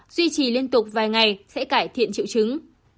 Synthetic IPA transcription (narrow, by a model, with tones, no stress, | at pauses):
zwi˧t͡ɕi˨˩li˧ənt̪ʊ˨˩k͡p̚vaː˨˩jŋa˨˩jsɛ̰˧˥kaː˧˩jt̪ʰḭ˧˨ənt͡ɕḭ˧˨wt͡ɕɨ˨˦ŋ